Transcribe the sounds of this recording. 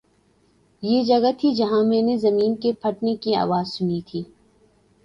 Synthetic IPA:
jed͡ʒɐɡət̪ʰid͡ʒɐɦãmɛ̃ːnezɐmiːnkepʰɐʈnekia̰ːʋaːzsʊnit̪ʰiː

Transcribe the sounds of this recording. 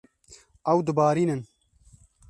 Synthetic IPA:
ɐwd̪ɨbaːɾiːnɨn

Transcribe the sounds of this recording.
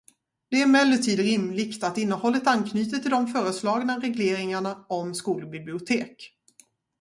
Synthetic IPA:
d̪̥ɛæɾmɛlːət̪ʰiːd̪ɾɪmlɪkt̪at̪ɪnːəhɔlːət̪ankʰnyːt̪ət̪ʰːɪld̪ɔmfœːɾəslɑːɡnaɾɛɡleːɾɪŋaɳaɔmskuːlbɪblɪʊt̪ʰeːk

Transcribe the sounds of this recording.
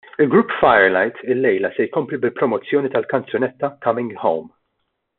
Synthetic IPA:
ɪlɡɾupːfɐjɛɾlɐjt̪ɪlːɛjlɐsɛjkɔmplibɪlpɾɔmɔt͡sːjɔːnit̪ɐlkɐnt͡sjɔnɛt̪ːɐkɐmɪ̃ŋɡhõ̰wm

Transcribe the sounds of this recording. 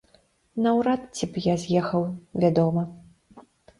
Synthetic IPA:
nɐwɾat̪t͡sʲipjazʲjɛxɐwvʲad̪ɔmɐ

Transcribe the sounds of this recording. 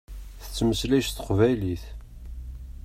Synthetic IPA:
θə̥t͡sːməslæʃθə̥qvæjliθ

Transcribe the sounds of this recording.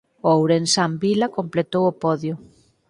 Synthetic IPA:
owɾensambilɐkomplet̪owopɔðjʊ

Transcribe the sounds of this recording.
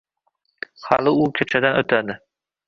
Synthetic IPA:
hɑlˠɪʊkʲʰet͡ʃʰad̪anɵt̪ʰad̪ɪ

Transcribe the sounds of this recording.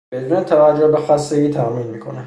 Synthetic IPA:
be̞d̪uːnet̪ʰævæd͡ʒːohbexæsːeɡiːt̪ʰæmiːnmiːkʰo̰næ

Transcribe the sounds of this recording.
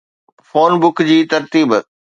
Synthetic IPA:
foːnbʊkd͡ʑiːt̪ɐɾt̪iːb

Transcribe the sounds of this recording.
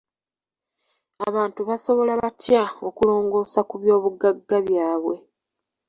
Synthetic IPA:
aβaːntuβaso̞βo̞laβatjao̞kulo̞ːŋɡo̞ːsakuβjo̞ːβuɡːaɡːaβjaːβwe̞

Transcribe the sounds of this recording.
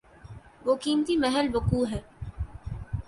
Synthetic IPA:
ʋoːkiːmt̪imɛɦɛlbɐkuːɦɛː

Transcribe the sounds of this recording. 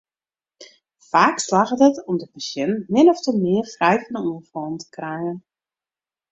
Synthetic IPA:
faːkslaɣədətɔmdəpasjɛnmɪnɔftəmɪərfrɛjfɔnuːənfɔːntə̥krajən

